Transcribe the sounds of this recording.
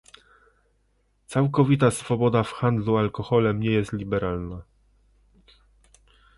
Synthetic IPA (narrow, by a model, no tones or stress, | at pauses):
t̪sawkɔvʲit̪asfɔbɔd̪afxand̪lualkɔxɔlɛmɲɛjɛst̪lʲibɛɾalna